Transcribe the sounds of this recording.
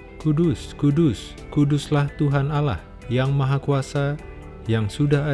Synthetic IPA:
kudʊskudʊs | kudʊslaht̪uɦanala̰h | jaŋmaɦakuasa | jaŋsudaɦa

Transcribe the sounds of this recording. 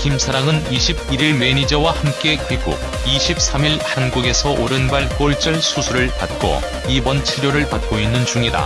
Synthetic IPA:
kimsʰaɾaŋɯniɕʰib̚iɾiɭme̞ɲid͡ʑʌwahamk͈e̞kiɡ͈ṵ | iɕʰip̚s͈ʰamiɭhanɡuɡe̞sʰʌʔoɾɯnbaɭk͈oɭt͡ɕ͈ʌɭsʰusʰuɾɯɭpat̚k͈o̰ | ibʌnt͡ɕʰiɾjoɾɯɭpat̚k͈oinːɯnt͡ɕuŋida̰

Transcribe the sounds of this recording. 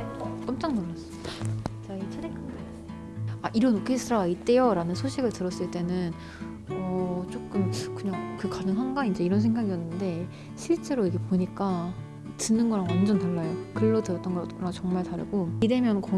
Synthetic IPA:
k͈ʌmt͡ɕ͈aŋnamːas͈ɯmid̥at͡ɕait͡ɕʰedek͈aŋda | aʔiɾʌnokʰisʰɯɾaait̚t͈e̞joɾanɯnsʰoɕʰiɡɯɭtɯɾʌs͈ɯɭt͈e̞nɯn | ʌt͡ɕ͈ok͈ɯmkɯɲaŋkɯkadɯŋɦanɡaind͡ʑe̞iɾʌnsʰeŋɡaɡijʌnːɯnde̞ | ɕʰiɭt͡ɕ͈e̞ɾoiɡe̞poɲik͈a | tɯnːɯnɡʌɾaŋwand͡ʑʌntaɭːajokɯɭːotɯɾʌt͈ʌnɡʌɾaŋt͡ɕʌŋmaɭtaɾɯ̰ɡoide̞mjʌnkʌ

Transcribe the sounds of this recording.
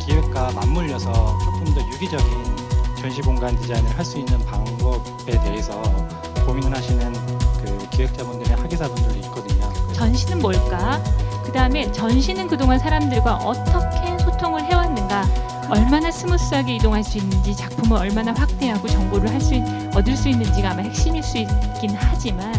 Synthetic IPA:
kiwek̚k͈amamːuʎːʌsʰʌtʰapʰumdojuɡid͡ʑʌɡint͡ɕʌnɕʰiboŋɡand͡ʑid͡ʑainɯɭɦaɭs͈uinːɯnpaŋbʌb̥ | e̞te̞ɦesʰʌ | pomiŋɯnɦaɕʰinɯnkɯkiwek̚t͡ɕ͈abundɯɾehaɡisʰabundɯɾiːt̚k͈ʌdɯɲot͡ɕʌnɕʰinɯnmoɭk͈akɯdaɯme̞t͡ɕʌnɕʰinɯnkɯdoŋansʰaɾamdɯɭɡwaʔʌt͈ʰʌkʰe̞sʰotʰoŋɯɭɦe̞wanːɯnɡa | ʌɭmanasʰɯmusuaɡeidoŋɦaɭs͈uinːɯnd͡ʑit͡ɕak̚pʰumɯɾʌɭmanaɸwak̚t͈e̞ɦaɡot͡ɕʌŋboɾɯɭɦaɭs͈ui | ʌdɯɭs͈uinːɯnd͡ʑiɡaːmahe̞k̚ɕ͈imiɭs͈uik͈inhad͡ʑiman

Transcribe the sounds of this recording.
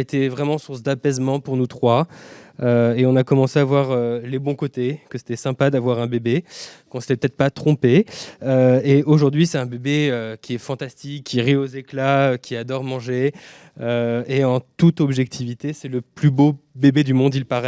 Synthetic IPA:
et̪evʁɛmɑ̃suʁsd̪apɛzmɑ̃puʁnut̪χwa | øeɔ̃nakɔmɑ̃seavwaʁølebɔ̃kot̪ekəse̥t̪ɛsɛ̃pad̪avwaʁɛ̃bebekɔ̃sə̥t̪ɛpøt̪ɛt̪χpat̪χɔ̃peøeoʒuʁd̪ɥisɛt̪ɛ̃bebeøkʲiɛfɑ̃t̪ast̪ikʰʲːiʁiozeklaøkʲiad̪ɔʁmɑ̃ʒe | øeɑ̃t̪ut̪ɔbʒɛkt̪ʰivit̪esɛləplybobebed̪ymɔ̃d̪ilpaʁɛ

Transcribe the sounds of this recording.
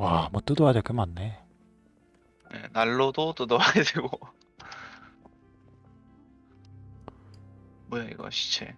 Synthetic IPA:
wamwoʌt͈ɯdoad͡ʑʌk͈ɯmanːe | nḛnaɭːodot͈ɯdoaɡedʰeɡo | mʌjaḭɡʌ̰ɕʰi̥t͡ɕʰe̞̰

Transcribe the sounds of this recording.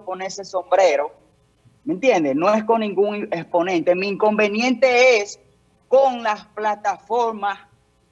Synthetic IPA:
konese̞so̞mbɾeɾo̞ | mẽnt̪je̞nd̪eno̞esko̞ŋnĩŋɡuŋespo̞nẽnt̪e̞miːŋko̞mbe̞nje̞nt̪e̞es | koŋlasplat̪afoɾmas

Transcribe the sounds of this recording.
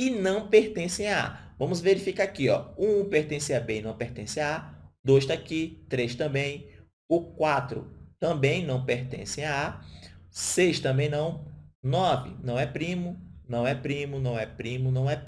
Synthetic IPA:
ɪnɐ̃w̃peht̪ẽsẽj̃aa̰vɐ̃mʊzveɾifikakiɔũpeht̪ẽsɪabenɐ̃w̃peht̪ẽsɪaad̪ojʃt̪akit̪ɾeʃt̪ɐ̃bẽj̃ | ʊkwat̪ɾʊ̰t̪ɐ̃bẽj̃nɐ̃w̃peɾt̪ḛ̃sẽj̃aa | sejʃt̪ɐ̃mbẽj̃nɐ̃w̃nɔvɪ̰nɐ̃w̃ɛpɾĩmʊnɐ̃w̃ɛpɾĩmʊnɐ̃w̃ɛpɾĩmʊnɐ̃w̃ɛ

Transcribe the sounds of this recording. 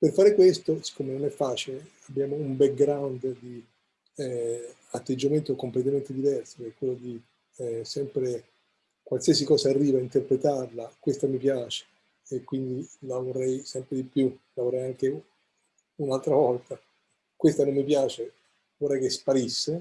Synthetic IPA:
perfaːɾekwest̪ose̥kːomenonɛfːaːt͡ʃile | abːjaːmoumbɛk̚ɡɾawnd̪d̪i | at̪ːed͡ʒːament̪okomplet̪̬ament̪ed̪ivɛrso̥kɛkːwelːod̪i | sɛmpɾe | kwalsiasikɔːsaːrːiːvaint̪erpɾet̪arlakwest̪amipjaːt͡ʃe̥ː | kwind̪ilavorːɛjsɛmpɾed̪ipjulavorːɛjaŋk̟e | unalt̪ɾavɔlt̪a | kwest̪anomːipjaːt͡ʃe | vorːɛjkespaɾisːe

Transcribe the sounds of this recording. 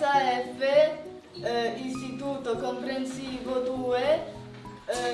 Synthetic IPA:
aɛfe | ĩnst̪it̪ut̪okõmpɾensivod̪ue

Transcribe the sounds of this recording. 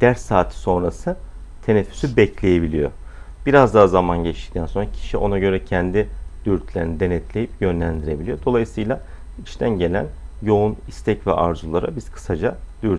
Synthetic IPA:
d̪̥æɾsːaːt̪ʰso̞nɾasɯ | t̪ʰe̞nɛfːy̥sybɛclʲe̞jebilʲḭjo̞̰ | b̥iɾazd̪aɦazamanɟɛt͡ʃt̪i̥c̚t̪ʰænso̞nɾacʰi̥ʃiʔo̞̰naɟø̞ɾɛcʰɛnd̪id̪̥yɾt̪ʰlʲeɾinid̪e̞nɛt̪ʰlʲe̞jipjø̞nlʲænd̪iɾe̞bilʲijo̞d̪o̞lˠajɯsɯjlˠa | it͡ʃt̪ʰænɟe̞lʲæ̰njo̞unist̪ʰɛcvɛ̰ʔaɾzulˠaɾabiz̥kʰɯ̥sad͡ʒad̪̥yɾ

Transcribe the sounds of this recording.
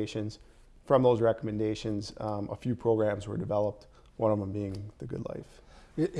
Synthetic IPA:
ɪʃɨ̃nz̥ | fɹʌ̃mðoʊzɹɛkəmɨ̃ndeɪʃɨ̃nzʔə̰fjʉpʰɹ̥oʊɡɹæ̃mzwə̰˞dɨvɛlˠəp̚t̚ | wʌ̃nʌvə̃mbiɪ̃ŋðɨɡʊ̰dˡla̰ɪf

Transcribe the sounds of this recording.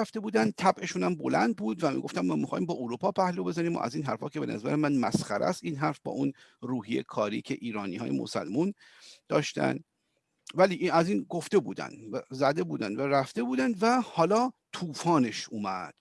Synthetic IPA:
ft̪e̞buːd̪ænd̪̚t̪ʰæbʔe̞ʃuːnæmbo̞læ̰nd̪̚buːd̪væmḭɡo̞ft̪æmmæːmixɒːhiːmbɒːʔoɾuːpʰɒːpæhlobe̞zæniːmɒ̰ːʔæ̰ziːnɦæɾfhɒːce̞benʔæ̰zæɾemænmæsxæɾʔæ̰st̪iːnɦæɾfbɒ̰ːʔunruːɦijḛkʰɒːɾḭːcʰe̞̰ʔiːɾɒːnḭːhɒːjemo̰sæ̰lmun | d̪ɒːʃt̪æ̰nd̪ | væliːæziːnɡo̞ft̪e̞buːd̪æ̰nd̪æzæd̪e̞buːd̪ænd̪væɾæft̪e̞buːd̪ænd̪væhɒːlɒːt̪ʰuːfɒːne̞ʃʔuːmæd̪̥

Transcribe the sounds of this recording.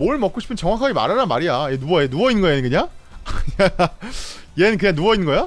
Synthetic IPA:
moɭmʌk͈oɕʰi̥pʰɯnt͡ɕʌŋwakʰaɡima̰ɾaɾanmaɾijaienuɡʌenuɡʌinɡʌenɯnkɯɲaŋkɯɲa | jenɯnk̬ɯɲaŋnuɡʌinŋɡʌjo

